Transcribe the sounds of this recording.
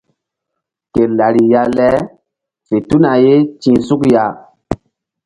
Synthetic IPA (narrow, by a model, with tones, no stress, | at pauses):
ke˨la˨ɾi˨ja˧lɛ˦ | fe˨tu˦na˨je˦t͡ʃĩ˦su˦kja˦